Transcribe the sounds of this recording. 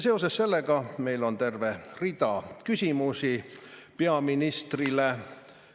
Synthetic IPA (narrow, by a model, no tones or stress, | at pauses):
se̞ose̞sse̞lːeɡ̥ɑme̞jlo̞nt̪e̞rve̞rid̪ɑkysʲimusipe̞ɑminist̪rile